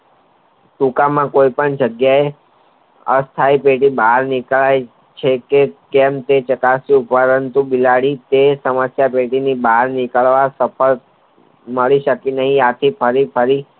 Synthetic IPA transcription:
ʈũkamãkoipəɳd͡ʒəɡjae | ə̰st̪ʰaipeʈibaɦaɾnikɭaj | t͡ʃʰekekemt̪et͡ʃəkasjũpəɾənt̪ubilaɽit̪esəməsjapeʈinibaɦaɾnikəɭʋasəpʰəl | məɭiʃəkinəɦĩat̪ʰipʰəɾipʰəɾi

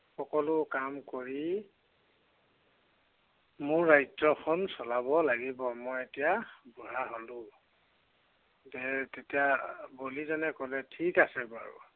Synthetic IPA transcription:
xɔkɔlʊkamkoɹi | mʊɹːajzɔkʰɔnsɔlabɔlaɡibɔmɔjetijabɔɹaɦolʊ̃ | zɛtetijabolizanɛkɔlɛtʰikasɛba̰ɹṵ

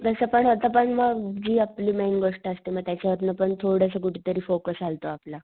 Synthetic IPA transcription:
t̪əsəpəɳət̪əpəɳməɡd͡ʑiːapliːmenɡəʂʈaəst̪iməɡ̚t̪jat͡ɕaʋət̪nəpəɳt̪ʰoɽəs̬əkuʈit̪əɾiːfokəsalt̪oapla

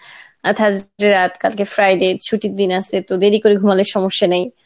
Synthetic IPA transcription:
at̪ʰad͡ʑɾeɾat̪kalkefɾajɖet͡ɕʰuʈid̪inast̪et̪od̪eɾikoɾiɡʱumaleʃɔmoʃːanej

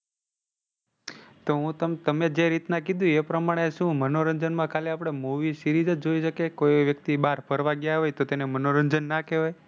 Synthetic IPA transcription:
t̪oɦũt̪əmt̪əmed͡ʒeɾit̪nakid̪ũepɾəmaɽ̃eʃũmənoɾəɲd͡ʒənmãkʰaleapɽ̃emuʋiʃiɾid͡ʒəd͡ʒoiʃəkekojʋjək̚t̪ibaɾpʰəɾʋaɡjaɦojt̪ot̪enemənoɾənd͡ʒənːakeɦaj

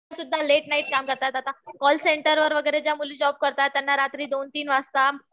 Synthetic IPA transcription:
sud̪ʱːaleʈnaiʈ̚kamkəɾt̪at̪at̪akɔlseɳʈəɾʋəɾʋəɡəjɾed͡ʑjamulid͡ʑɔb̚kəɾt̪at̪ːjanːaɾat̪ɾiːd̪ont̪iːnʋast̪a

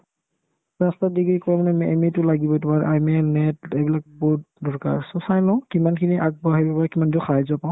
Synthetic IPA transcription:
ɹastadiɡɹikɔɹamanɛmɛmetʊlaɡibɔtumaɹ̰ʔajmɛnɛtɛbilak̚bɔt̚ | dɔɹka̰ɹsɔsajlɔ̃kimankʰiniʔak̚bɔɦajbapaɹakimandɔxaɦazɔpaʊ̃

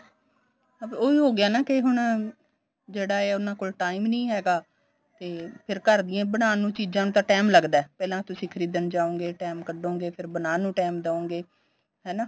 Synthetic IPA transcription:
oːiːɦoːɡɪjaːnaːkɪɦʊɳ | d͡ʒeːɽaːeːʊnãːkoːlʈaːimnĩːɦɛːɡaː | t̪eːpʰɪɾkəɾd̪ɪjãːbəɽaːnũːt͡ʃiːd͡ʒãːnũːt̪ãːʈɛːmləɡd̪aːɛːpɛːlãːt̪ʊsĩːkʰəɾiːd̪ənd͡ʒaːõːŋɡeːʈɛːmkəɖõːŋɡeːpʰɪɾbənaːnũːʈɛːmd̪aːõːɡeː | ɦɛːnaː

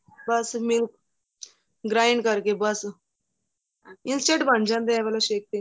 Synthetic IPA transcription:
bəsmil | ɡɾajɳɖkəɾkebəs | insʈeʈbʱəɳd͡ʑãnd̪ejaʋɛlaɕek̚t̪e

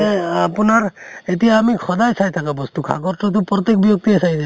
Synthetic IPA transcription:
ɛapunaɹetijaːmixʰɔdajsajt̪ʰakabɔst̪ukʰa̰ɡɔɾtɔt̪̬ʊpɾɔt̪ek̚bijok̚t̪iasajʰ

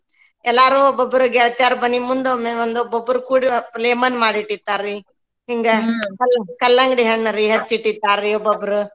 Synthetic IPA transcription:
ɛlːaːɾuːbɐbuɾuɡeɭt̪jaːɾbɐnːimund̪omeʋɐnd̪ubɐbuɾkuːɽipleːmɐnmaːɽiʈːit̪ːaːɾi | ɦiŋɡɐkɐlkɐlːɐŋɡɽiɦeɭnɐɾiɦɐt̪t͡ʃiʈːit̪ːaːɾiobɐbɾu

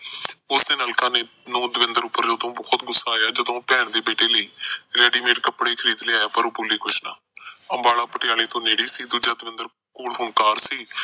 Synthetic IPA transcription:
ʊsd̪eːnaːlkaːneː | nõːd̪əʋɪ̃nd̪əɾʊpːəɾd͡ʒoːd̪õːbɔːt̪ɡʊsːaːjaːd͡ʒəd̪õːpɛːɳd̪eːbeːʈeːləiːeɾɛːɖiːmeːʈkəpːɽeːkʰəɾiːd̪lɪaːjaːpəɾoːpuliːkʊt͡ʃʰna̰ː | əmbaːɽaːpəʈɪjaːleːt̪õːneːɽiːsiːd̪uːd͡ʒaːd̪ʋɪ̃nd̪əɾ | koːlɦʊɳkaːɾsiː

